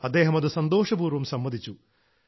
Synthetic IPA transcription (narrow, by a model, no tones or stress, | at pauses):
ɐd̪ːe̞ːɦɐmɐðɨsɐnd̪o̞ːʂɐbuːɾʋɐmsɐmːɐd̪ʱit͡ɕːu